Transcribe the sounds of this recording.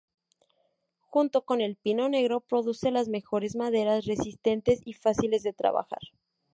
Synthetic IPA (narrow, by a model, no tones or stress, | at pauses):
xunt̪o̞kone̞lpino̞ne̞ɣɾo̞pɾo̞ðuse̞lazme̞xo̞ɾe̞zmaðe̞ɾasre̞sist̪e̞nt̪e̞sifasile̞zðe̞t̪ɾa̰βa̰xa̰ɾ